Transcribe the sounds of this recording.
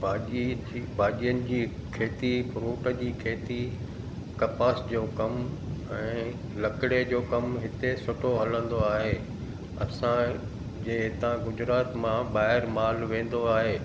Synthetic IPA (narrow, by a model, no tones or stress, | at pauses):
bʱaːi | ibʱaːʄijənɪ̆d͡ʑiːkʰeːt̪ifʊɾuːʈəd͡ʑiːkʰeːt̪i | kɐpaːsd͡ʑoːkɐmɛ̃ː | lɐkɪɽed͡ʑoːkɐmɦɪt̪esʊʈʰoɦɐlə̃nd̪oaːɦeː | ɐ̰sã | d͡ʑɐɦɪt̪ãɡʊd͡ʑɾaːt̪mãɓaːɦɪɾmaːlʋẽːn̆d̪oaːɦeː